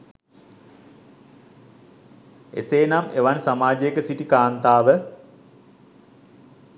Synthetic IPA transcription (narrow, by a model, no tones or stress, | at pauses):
ḛseːnameʋansamaːd͡ʒekəsiʈikaːnt̪aːʋə